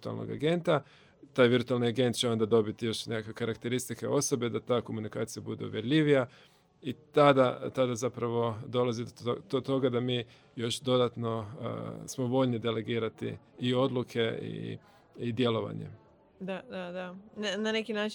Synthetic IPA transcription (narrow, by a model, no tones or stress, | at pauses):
t̪ua̰lno̰ɡa̰ɡe̞nt̪a | t̪aːjʋiɾt̪ualniaɡe̞nt̪̚t͡ʃeo̞nd̪ad̪o̞bit̪ijo̞ʃnekakʋe̞kaɾakt̪eɾist̪ikeo̞so̞be̞d̪at̪aːko̞munikaːt̪sijabud̪e̞̰ṵʋje̞ɾʎʲiʋija | it̪ad̪at̪ad̪azapɾaʋo̞d̪o̞lazid̪t̪ot̪o̞ɡad̪amiː | jo̞ʃd̪o̞d̪at̪no̞̰ | smo̞ʋo̞ʎnid̪e̞le̞ɡiːɾat̪ḭː | o̞d̪lukʰe̞ḭ | id̪je̞lo̞ʋa̰ɲḛ | d̪ad̪ad̪anananekinaːt͡ʃ